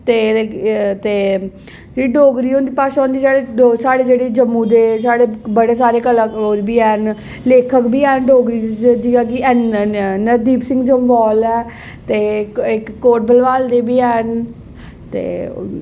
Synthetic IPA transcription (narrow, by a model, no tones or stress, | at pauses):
t̪eː | t̪eː | iːɖoːɡɾiːõːnd̪iːpaːʃaoːnd̪iːsaːɽeosaːɽeːd͡ʒeːɽeːd͡ʒəmũːd̪eːsaːɽeːbəɽeːsaːɾeːkəlaːobʱiːɛːn | leːkʰəkbʱiːɛːnɖoːɡɾiːd͡ʒ̪iaːɡiɛːnnəɾd̪iːpsɪ̃ŋɡd͡ʒəmʋɔːlɛː | t̪eːkɪkːoːʈbəlʋaːld̪eːbʱiːɛːn | t̪ḛː